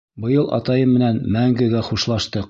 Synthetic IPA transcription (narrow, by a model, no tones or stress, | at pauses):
bɤ̆jɤlˠʔɑ̰t̪ɑjɤmːɘ̆nænmæŋɡɘ̆ɡæχuʃlˠɑʃt̪ɤq